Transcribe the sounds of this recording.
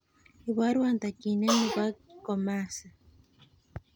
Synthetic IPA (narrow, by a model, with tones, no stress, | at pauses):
iβwa˦ɾwa˨nt̪a˨ki˨ne˦niβa˦kɔma˦sa˨